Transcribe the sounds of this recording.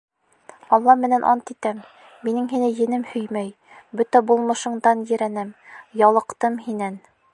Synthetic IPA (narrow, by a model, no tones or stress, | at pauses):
ɒlˠːɑmɘ̆nænʔɒ̰nt̪it̪æmː | inɘŋɦinɘjɘ̆nɘmhɵjmæj | bɵt̪æbulˠmɤ̆ʃɤ̆ɴd̪ɑnjɘ̆ɾænæmjɒlˠɤ̆qt̪ɤmhinæn